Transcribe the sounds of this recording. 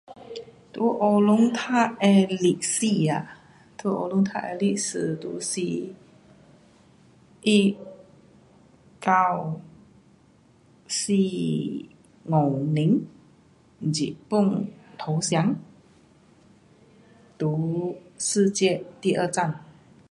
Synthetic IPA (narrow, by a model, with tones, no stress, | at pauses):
t̪u˨˦ʔo˧lu˧˥ŋt̪ʰa˥˨ʔɛ˧li˧˩ʔsi˥˧˩a˨˩ | t̪ʰu˨˦ʔo̰˧lu˧˦ŋt̪ʰa̰˥˧ʔɛ̰˧li˧˩ʔsɨ˧˩t̪ṵ˧˦si˧ | ʔi˥˧ | ka˥˩w | si˥˧ | ŋo˨˩wni˨˦ŋ | d͡ʑḭ˨˩ʔpu˥˩˨ŋt̪ʰo˨˧˦wsja˧˥ŋ | t̪u˨˦s̩˥˧˨t͡ɕjɛ˥˧t̪i˥˧ʔə˥˧˨t͡sa˥˨n